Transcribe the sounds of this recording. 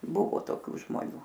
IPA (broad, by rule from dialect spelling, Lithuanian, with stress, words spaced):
ˈbʊʋoː toːˈkʲuː ʒmoːˈnʲuː